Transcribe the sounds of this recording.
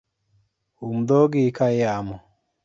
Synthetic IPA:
umd̪ɔɡikajamɔ

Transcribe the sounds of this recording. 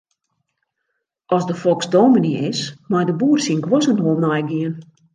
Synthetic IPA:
ʔɔsdəfɔlˠksdoːminiɪsmajdəbuːərsinɡwɔsənɦolˠnɔjɡiən

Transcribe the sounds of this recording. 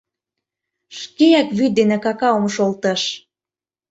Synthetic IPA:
ʃkeækβyd̪enĕkɑkɑomʃolt̪ə̆ʃ

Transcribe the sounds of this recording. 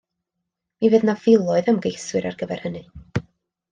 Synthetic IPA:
mivɨːðnavɪlˠɔɨðəmɡejswɨɾarɡəvɛr̥hənɨ

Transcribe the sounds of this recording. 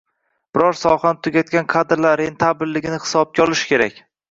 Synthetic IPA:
b̥ɪɾɒɾsɒχanɪt̪ʰʊɡʲat̪̚kʲanqʰad̪ɾlaɾɾent̪ʰabɪlːɪɡʲɪnɪhɪ̥sɒb̚ɡʲaɒlˠɪʃkʲʰe̞ɾa̰kʲ

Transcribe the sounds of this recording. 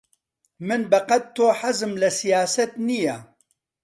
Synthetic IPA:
mɨnbɐqɐt̪t̪ʰːoːħazɨmlɐsijaːsɐt̪nija

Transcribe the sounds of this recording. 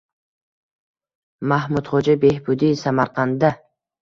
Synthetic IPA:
mahmʊd̪χod͡ʒabe̞hbʊd̪isamaɾqʰɑnd̪a

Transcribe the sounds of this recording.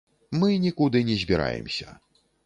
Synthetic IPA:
mɨnʲikud̪ɨnʲɛzʲbʲiɾa̰jɛ̰msʲɐ

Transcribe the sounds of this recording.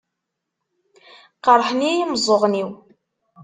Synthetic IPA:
qəɾˤħnijiməzˤoʁniw

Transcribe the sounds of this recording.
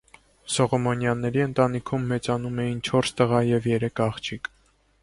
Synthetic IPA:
sɔʁɔmɔnjɑnːɛɾiənt̪ɑnikʰumːɛt͡sɑnumɛjint͡ʃʰɔɾst̪əʁɑjɛvjɛɾɛkʰɑχt͡ʃʰik

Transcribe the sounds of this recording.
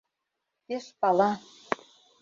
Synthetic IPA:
t̪eʃpɑlɑ

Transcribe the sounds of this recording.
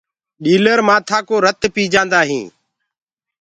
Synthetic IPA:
ɗiːləɾmaːt̪ʰaːkoːɾət̪piːd͡ʒãːnd̪aːɦḭ̃ː

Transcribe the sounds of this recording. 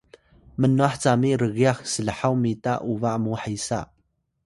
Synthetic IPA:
mənːwaħt͡samiʔɾəɣiaxsilħawmit̪a̰ʔuvaʔmuħajsaʔ

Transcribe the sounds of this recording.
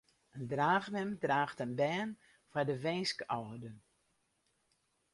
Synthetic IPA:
əndraːxmɛmdraːxtənbɛːn | fadəʋɛnskɔwədə

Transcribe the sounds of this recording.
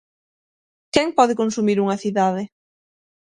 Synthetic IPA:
kɛŋpɔðɪkonsumiɾuŋɐθiðaðɪ

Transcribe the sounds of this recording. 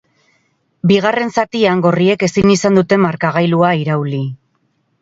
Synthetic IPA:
biɣ̞are̞nsat̪iaŋɡo̞rie̞ke̞siɲisand̪ut̪e̞maɾkaɣ̞ajluaiɾawli

